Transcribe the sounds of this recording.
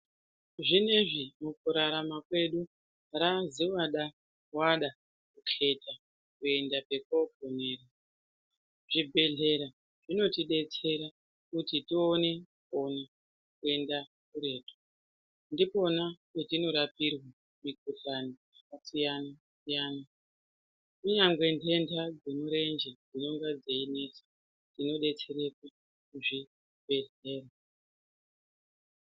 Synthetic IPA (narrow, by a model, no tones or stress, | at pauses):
ʐine̞ʐimukuɾaɾamakwe̞ɗu | ɾaziwaɗa | waɗa | kukʰe̞ta | kue̞ndape̞kopone̞ːra | ʐ̥ibʱe̞ɮe̞ɾa | ʐino̞tiɗe̞t͡se̞ɾa | kutitione̞ | ona | kue̞nda | kuɾe̞ːto̥ | ndipo̞naketino̞ɾapirwa | mikuɬanijakasijana | sijaːna | kuɲaŋɡwe̞ntʰe̞ndʰad͡zenoɾe̞nd͡ʒed͡zino̞ŋɡad͡zeine̞sḁ | tino̞ɗe̞t͡se̞ɾe̞ka | kuʐi | be̞ɮe̞ːra